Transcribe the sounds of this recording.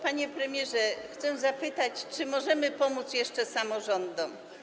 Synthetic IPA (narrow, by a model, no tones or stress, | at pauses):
paɲɛpɾɛmʲjɛʐɛxt̪sɛzapɘt̪at͡ɕt͡ʂɘmɔʐɛmɘpɔmut̪sjɛʂt͡ʂɛsamɔʐɔnd̪ɔm